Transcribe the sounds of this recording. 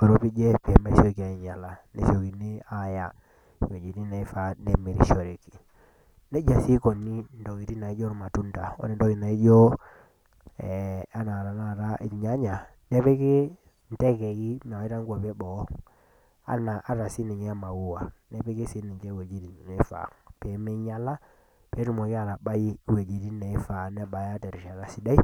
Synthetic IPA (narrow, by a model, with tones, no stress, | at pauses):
ɔ˨ɾo˦pi˦d͡ʒɛ˦pi˨ɛ˨˦ma˦so˦ki˨a˨i˨ɲa˨la˨nɛ̰˨so˨ki˨ni˦a˦˨ja˦˨ | wo˨d͡ʒi˨ti˦na˨i˦fa˨nɛ˨mi˨ɾḭ˨ʃɔ˨ɾe˨ki̥˨ | nɛ˦d͡ʒa˨si˦kɔ˨ni˦ndo˨ki˨ti˦na˨i˦d͡ʒɔ˦ɾu˨ma˨tu˦nta˨ɔ̰˦ni˦n˦do˦ki˨na˨i˦d͡ʒɔ˦ | a˦na˨ɾa˨na˦˨ɾa˦ʔḭ˨ɲa˦ɲa˨ | nɛ˦pɛ˦ke˦ | n˨tɛ˦kɛ˨ɣi˦na˨˦i˦ɾa˦ŋɡwɔ˨pɛ˦ɓɔ˨˦ | a̰˦na˨ʔa˦ɾa˨si˦ni˨ɲɛ˦a˦ma˨wu˦wa˨nɛ˦pɛ˦ke˦si˨˦ni˨ɲd͡ʒɛ˦wɛ˨d͡ʒi˦ɾi˨nɛ˨˦fa̰˨pɛ˨˦mɛ˦ɲa˦la˦ | pɛ˨˦ɾu˨mɔ˨ki˦a˨ɾa˨ɓa˦i˦wɛ˨d͡ʒi˨ɾi˦nɛ˨˦fa˨nɛ˦ɓa˨ja˦tɛ˨ɾi˨ʃa˨ɾa˨si˨˦da˦i˦